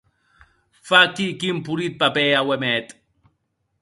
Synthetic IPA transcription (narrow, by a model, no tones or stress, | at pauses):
fakikimpuɾit̪̚papɛawɛmɛt̪ʼ